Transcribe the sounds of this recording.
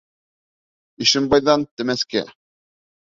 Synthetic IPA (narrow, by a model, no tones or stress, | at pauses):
iʃɘ̆mbɑjðɑnt̪ɘ̆mæskæ̰